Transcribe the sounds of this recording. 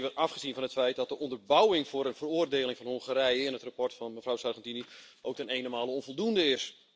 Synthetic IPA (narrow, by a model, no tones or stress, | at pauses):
ʋəafχəzinvɔnɦətfɛjt̚dɔt̚dəʔɔndərbawɪŋvʊːɾənvəroːərdeːlɪŋfɔnhoŋχəɾɛjəɪnɦətrapɔrtfɔnməvrawsarχɛntini | owktənejnəmaːlˠəɔnvolˠdundəɪs